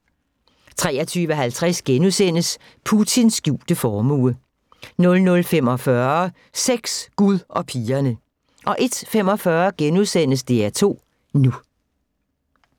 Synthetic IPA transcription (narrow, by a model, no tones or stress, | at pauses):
t͡sʰʁɛːɐt͡sʰyːʋəɦælt͡sʰʁasɡ̥enuðˠsen̰əs | pʰut͡sʰinsɡ̥juːd̥əfɒːmṵːə | nɔ̽lnɔ̽lfem̰ɒ̽fɶɐɐ | seɡ̥sɡ̥uðˠʔɒ̽pʰiːɐnə | ʔɒ̽ʔe̝d̥fem̰ɒ̽fɶɐɡ̥enuðˠsen̰əsd̥e̝æɐt͡sʰo̝̰ː | nu